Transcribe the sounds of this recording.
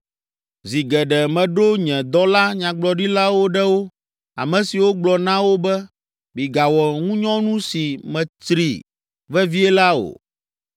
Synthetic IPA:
zi˨ɡɛ˨ɖɛ˨mɛ̃˨ɖo˦ɲɛ̃˨d̪ɔ˦la˦ɲã˨ɡ͡blɔ˨ɖi˦la˦wo˦ɖɛ˦wo˦ | a̰˨mɛ̃˨si˨wo˦ɡ͡blɔ˨nã˦wo˦bɛ˦ | bi˨ɡa˨wɔ˨ŋũ˦ɲɔ̃˦nũ˦si˨mɛ̃˨t̪ɾḭ˨ | vɛ˦vi˦ɛ˦la˦o̰˨

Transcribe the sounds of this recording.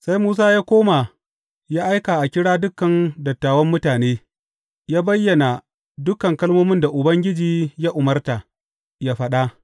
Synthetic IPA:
sa˦jmuː˦s̬aː˦jaː˦kʷoː˦ma˨ | jaː˦ʔa˦jkaː˨ʔa˨kʲɪ˦ɽaː˦dʊ˦kːɐ˨ndɐ˨tːaː˨wɐ˦mːʊ˦taː˨neː˦ | jaː˦bɐ˦jːɐ˨na˨ | dʊ˦kɐ˨ŋkɐ˦lmoː˦mɪ˦nda˨ʔʊ˨bɐ˦ŋɡʲɪ˦d͡ʒiː˨ja˦ʔʊ˨mɐ˦rta˨ | jaː˦ɸɐ˦ɗa˦

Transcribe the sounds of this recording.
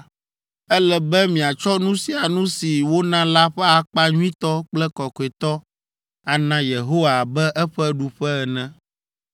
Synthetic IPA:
ɛ˦lɛ˦bɛ˦mĩ˨a˨t͡ʃɔ˦nũ˦si˨a˨nũ˦si˨wo˦nã˦la˦ɸɛ˦a˨k͡pa˦ɲũ˦ĩ˦t̪ɔ˦k͡plɛ˦kɔ˨kɔ˨e˨t̪ɔ˦ | a˨nã˦je˨ɦo˦wa˨bɛ˦ʔɛ˦ɸɛ˦ɖu˨ɸɛ˦ɛ˨nɛ̃˨

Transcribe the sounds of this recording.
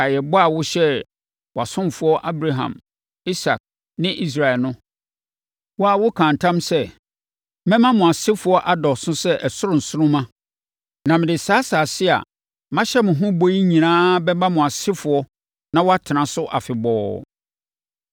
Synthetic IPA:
a˨jɛ˨bɔ˦a˨wʊ˦ɕɛ˦ | wɔ˨a˨sʊ̃˦mfʊ˦ɔ˦ʔa˦bɾa˨ɦã̰˨m | i˦sa̰˨k̚ | nɪ̃˦ʔi˦s̬ɾa˨ɛ˨lnʊ̃˦ | wɔ˦a˨wʊ˦kʰã˨n˨tʰã˦msɛ˦ | mɛ̃˦mã˦mʊ̃˨a˨sɪ˦fʊ˨ɔ˦ʔa˨dɔ˨sʊ̃˦sɛ˦ʔɛ˨sʊ˦ɾʊ̃˨n̩˨sʊ˦nʊ̃˦mã˦ | nã˨mɪ̃˨dɪ˨saː˨˦saː˨sɪ˦a̰˨ | mã˦ɕɛ˦mʊ̃˨ɦʊ̃˦bo˦ji˦ɲĩ˨nãː˦bɛ˦bã˦mʊ̃˨a˨sɪ˦fʊ˨ɔ˦ | nã˦wɔ˦a˦tʰɪ˨nã˨sʊ˦ʔa˨fɪ˨bɔː˦

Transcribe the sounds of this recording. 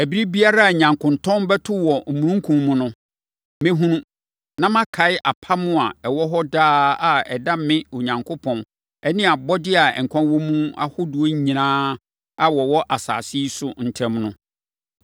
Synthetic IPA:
æ˨bi˦ɾi˦bi˦a˦ɾa˦a˨ɲã˨ŋkʰʊ̃˨n˨tʰɔ̃˦n˦bɛ˦tʰʊ˦wɔ˨m̩˨mũ˨nũ˦ŋ˦kʰũ˨mmʊ̃˨nʊ̃˦ | mẽ˦ɦũ˦nũ˦ | nã˦mã˦kʰa˨ɪ˦ʔa˨pʰa˦mʊ̃˦a˨ɛ˨wɔ˦ɦɔ˦daː˦a˨ɛ˨da˦m˦mɪ̃˦o˨ɲã˨ŋkʰo˦pʰɔ̃˨n | ɛ˦nɪ̃˦˨a˨bɔ˦dɪ˦a˨ɛ˨ŋ̩˨kʷʰã˦wɔ˦mũ˦a̰˦hʊ˦dʊ˨o˦ɲ˦ɲĩ˨nãː˦ | a˨wɔ˨wɔ˦ʔa˨sa̰ː˨si˦sʊ˨n̩˨tʰɛ̃˦mnʊ̃˦

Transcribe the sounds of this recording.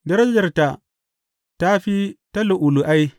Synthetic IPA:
dɐ˦ɾɐ˦d͡ʒɐ˨rta˨ | ta˦ɸi˦ta˦lʊ˨ʔʊ˨lu˨ʔa˦j

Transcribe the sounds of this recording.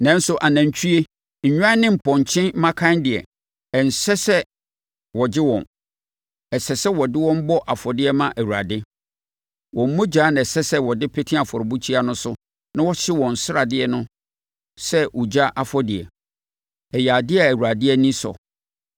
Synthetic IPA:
nã˦n̩˦sʊ˦ʔa˨nã˨ɲ̩˨t͡ɕʰᶣu˦e˦ | ɲ̩˨ɲᶣ˦ã˦nɪ̃˦m̩˨pʰɔ̃˨ɲ˨t͡ɕʰɪ̃˦n˦mã˦kʰã˦ndɪ˨ɛ̰˨ | ɛ˨n̩˨sɛ˦sɛ˦ | wɔ˨d͡ʑɪ˦wɔ̰̃˨n | ɛ˨sɛ˨sɛ˦wɔ˨dɪ˦wɔ̃˦m̩˦bɔ˦ʔa˨fɔ˨dɪ˦ɛ˦mã˦ʔæ˨wu˨ɾa̰˨dɪ˦ | wɔ̃˨m̩˦mũ˦d͡ʑaː˨˦ñ˨ɛ˨sɛ˦sɛ˦wɔ˨dɪ˦pʰe˦tʰĩ˦a˨fɔ˨ɾbu˦t͡ɕʰi˦a˦nʊ̃˦sʊ˦ | nã˦wɔ˦ɕɪ˦wɔ̃˨n̩˨sɪ˦ɾa˨dɪ˦ɛ˨nʊ̃˦ | sɛ˦wu˨d͡ʑa˦ʔa˨fɔ˦dɪ˨ɛ̰˨ | ɛ˨ja˨dɪ˦ɛ˦˨æ˨wu˨ɾa˨dɪ˦ɛ˦nĩ˦sɔ̰˨

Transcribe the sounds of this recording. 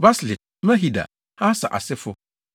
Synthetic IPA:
ba˦slɪ˨d̚ | mã˦ɦi˨da̰˨ | hã˦sa̰˨ʔa̰˨sɪ˦fʊ˦

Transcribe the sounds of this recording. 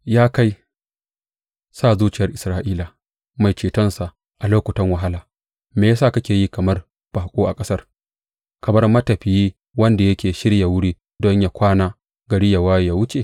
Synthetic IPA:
jaː˦ka˦j | saː˦˨zuː˦t͡ʃɪ˨jɐ˦rʔɪ˨sɾaː˦ʔiː˦la˨ | ma˨jt͡ʃeː˨tɐ˦nsa˨ʔ | ʔa˨loː˦kʷʊ˨tɐ˦ŋwɐ˨ɦa˦laː˨ | meː˨ja˦sa˦˨kɐ˦kʲeː˨ji˦kɐ˨mɐ˦r | b̥aː˨kʷʼoː˦ʔa˨kʼɐ˦sɐ˦r | kɐ˨mɐ˦rmɐ˦tɐ˨ɸɪ˨ji˦ | wɐ˦nda˨jɐ˦kʲeː˨ʃɪ˦ɽja˨wʊ˦ɽiː˦ | dɔ˦ɲja˦kʷaː˦naː˦ | ɡɐ˨ɽi˦ja˨waː˦jjaː˦wʊ˦t͡ʃe˨

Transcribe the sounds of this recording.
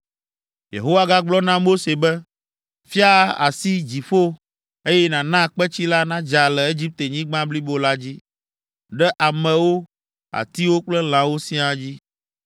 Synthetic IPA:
jḛ˨ɦo˦wa˦ɡa˦ɡ͡blɔ˦nã˦mo˦se˨bɛ˦ | fi˦a˦a̰˨si˦d͡ʑi˨ɸo˦ | e˦jɛ˦nã˨nã˦˨k͡pɛ˦t͡ɕi˦la˦nã˦d͡ʒa˨lɛ˨e˦d͡ʑi˦p̚t̪e˨ɲĩ˦ɡ͡bã˦bli˦bo˨la˦d͡ʑi˦ | ɖɛ˦ʔa˨mɛ̃˨wo˦ | a̰˨t̪i˦wo˦k͡plɛ˦l̃ã˨wo˦sĩ˦a˨d͡ʑi˦

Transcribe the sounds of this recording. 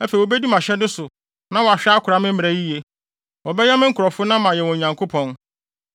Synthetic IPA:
æ˦fe˨oɔ˨be˦di˦mã˨ɕɛ˦dʊ˦sʊ˨ | nã˦wɔ˨a˨ɕᶣɛ˦a˦kʰʊ˨ɾa˨˦mɪ̃˦m̩˦m˨ɾæ˨ji˦je˨ | wɔ˨bɛ˦jɛ˦mɪ̃˦ŋ̩˦kʰɔ˨fʊ˦nã˦mã˨jɛ˨wɔ̃˨ɲã˨ŋkʰo˦pʰɔ̃˨n

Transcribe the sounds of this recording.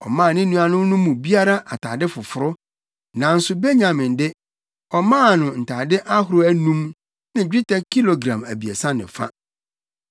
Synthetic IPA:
ɔ̰˨mãː˦˨nɪ̃˦nũ˦a˨nʊ̃˦nʊ̃˦mũ˨bi˦a˦ɾa˦ʔa˨tʰaː˨dɪ˦fʊ˨fʊ˨ɾʊ˦ | nã˨n̩˦sʊ˨be˦ɲã˨mɪ̃˨ndɪ˦ | ɔ˨mãː˦˨nʊ̃˨n̩˨tʰa˨dɪ˦ʔa˦ɦʊ˨ɾʊ˦æ˦nũ˦m | nɪ̃˨d͡ʑᶣi˦tʰɛ˦kʰi˦lo˨ɡɾã̰˨mæ˨bi˨ḛ˨sã˦nɪ̰̃˨fa̰˦

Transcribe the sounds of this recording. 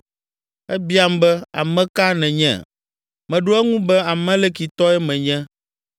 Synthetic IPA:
ɛ˦bi˦a˦m˦bɛ˦a̰˨mɛ̃˦ka˦nɛ̃˨ɲɛ̰̃˨ | mɛ̃˨ɖo˦ɛ˦ŋũ˦bɛ˦a˨mɛ̃˦lɛ˦ki˨t̪ɔ˦ɛ˦mɛ̃˨ɲɛ̃˦

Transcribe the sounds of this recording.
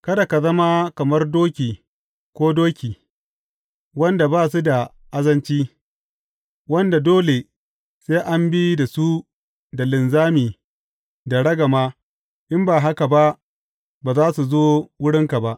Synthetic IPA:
kɐ˦da˨ka˨zɐ˦ma˦kɐ˨mɐ˦rdoː˦kʲiː˨ | kʷoː˦doː˦kʲiː˨ | wɐ˦nda˨baː˦s̬u˦da˨ | ʔa˦zɐ˦nt͡ʃiː˦ | wɐ˦nda˨doː˦le˨ | seː˦ʔa˦mbi˦da˨su˦ | da˨lɪ˨nzaː˦miː˨ | da˨ɽɐ˦ɡa˨maː˦ | ʔɪ˦mbaː˨ɦa˦ka˨ba˦ʔ | baː˨zaː˦su˨zoː˦wʊ˦ɽɪ˦ŋka˨ba˦ʔ

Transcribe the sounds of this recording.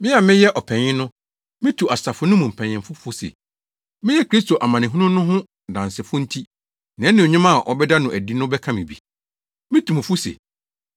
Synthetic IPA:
mɪ̃˦a˨mɪ̃˦jɛ˦ʔɔ˨pʰɛ̃˨ɲɪ̃˦nʊ̃˦ | mɪ̃˦tʰu˨a˨sa˨fʊ˦nʊ̃˦mũ˨m̩˨pʰɛ̃˨ɲɪ̃˨m˨fʊ˦fʊ˦sɛ̰˨ | mɪ̃˦jɛ˦kʰɾi˦sto˨ʔa˨mã˨nɪ̃˨ɦu˦nʊ̃˦nʊ̃˦ɦʊ̃˦ | dã˨n˨sɪ˨fʊ˦n̩˦tʰi˦ | nã˨˦nɪ̃˨o˨ɲɪ̃˦mã˦˨ʔɔ˦bɛ˦da˦nʊ̃˨ʔæ˨di˦nʊ̃˦bɛ˦kʰã˦mĩ˨bḭ˨ | mɪ̃˦tʰu˨m̃˨fʊ˦sɛ̰˨

